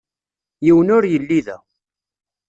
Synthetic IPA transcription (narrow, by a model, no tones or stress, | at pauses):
jiwənʊɾjəlːiðæ̰